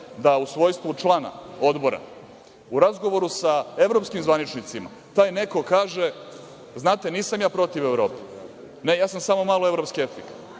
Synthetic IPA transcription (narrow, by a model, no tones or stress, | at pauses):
d̪ausʋo̞ːjst̪ʋut͡ʃlˠaːna̰od̪bo̞ɾa̰ | uɾazɡo̞ʋo̞ɾusae̞ʋɾo̞pskimzʋanit͡ʃnit̪sima̰ | t̪aːjne̞ko̞kaːʒe̞ | znaːt̪e̞niːsamjaːpɾo̞t̪iʋevɾo̞ːpe̥ | ne̞jaːsamsamo̞maːloe̞vɾopskieft̪ik